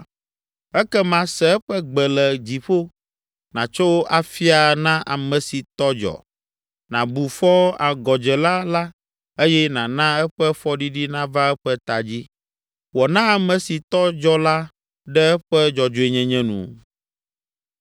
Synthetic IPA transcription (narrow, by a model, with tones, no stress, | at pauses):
ɛ˦kɛ˦mã˦sɛ˨ɛ˦ɸɛ˦ɡ͡bɛ˨lɛ˨d͡ʑi˨ɸo˦ | nã̰˨t͡ʃo˦wʔa˨fi˦a˨nã˦ʔa˨mɛ̃˨si˨t̪ɔ˦d͡ʒɔ̰˨ | nã˨bu˨fɔ˦a˨ɡɔ˨d͡ʒɛ˨la˦la˦ | e˦jɛ˦nã˨nã˦ɛ˦ɸɛ˦fɔ˦ɖi˦ɖi˦nã˦va˦ɛ˦ɸɛ˦t̪a˨d͡ʑi˦ | wɔ˨nã˦a˨mɛ̃˨si˨t̪ɔ˦d͡ʒɔ˦la˦ | ɖɛ˦ɛ˦ɸɛ˦d͡ʒɔ˨d͡ʒo˨e˨ɲɛ̃˦ɲɛ̃˦nṵ̃˨